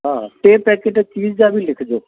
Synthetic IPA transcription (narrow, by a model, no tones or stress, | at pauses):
ɦãːʈeːpɛːkeːʈɛt͡ʃiːd͡ʒd͡ʒaːbʱiːlɪkʰd͡ʒoː